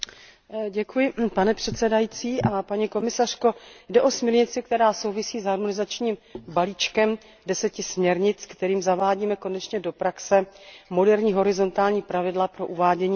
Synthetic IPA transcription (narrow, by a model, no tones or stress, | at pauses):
ɟɛkujɪpanɛpr̥ɛt̪sɛdajit͡siːʔapaɲiko̞mɪsar̝̥ko̞dɛʔo̞smɛɾɲɪt͡sɪk̚t̪ɛɾaːso̞wvɪsiːzɦaɾmonɪzat͡ʃɲiːmbaliːt͡ʃkɛm | dɛsɛcɪsmɲɛɾɲɪt͡skt̪ɛɾiːmzavaːɟiːmɛko̞nɛt͡ʃɲɛdo̞pɾaksɛmo̞dɛɾɲiːɦo̞ɾɪzo̞nt̪aːlɲiːpɾavɪdlapɾo̞ʔuvaːɟɛɲiː